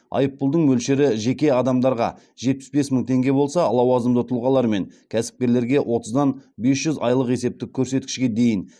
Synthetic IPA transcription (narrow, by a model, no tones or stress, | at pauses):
ɑ̰jəpːʊlˠd̪əɴmɵlʃeɾɪʒe̞kʲe̞ɑd̪ɑmd̪ɑɾʁɑ̰ | ʒ̥e̞t̪̚pɪ̥sbe̞sməŋt̪ʰe̞ŋɡʲe̞bo̞lˠsɑlˠɑwɑzəmd̪ət̪ʰʊlˠʁɑlˠɑɾme̞ŋkʲʰæsɪ̥p̚kʲe̞ɾle̞ɾɡʲe̞ʔwʔo̞t̪əzd̪ɑnbe̞sʒ̥ʏzɑjlˠəqe̞se̞p̚t̪ɪkʲʰːɵɾse̞t̪̚kʲɪ̥ʃkʲe̞d̪e̞jɪn